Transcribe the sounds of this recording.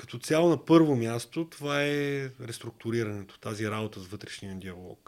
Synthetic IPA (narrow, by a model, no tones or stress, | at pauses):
kɐ̥t̪ɔt̪sʲalˠonɐpɤɾvomjast̪ot̪ovaɛɾɛst̪ɾʊk̚t̪ʊɾiɾɐnɛt̪o̥t̪aziɾabot̪əsvɤt̪ɾɛʃnijəd̪iɐlˠɔ̰k